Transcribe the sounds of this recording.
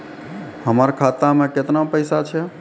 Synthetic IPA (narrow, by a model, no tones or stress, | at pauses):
həməɾkʰat̪amẽket̪napəɪsat͡ʃʰɛ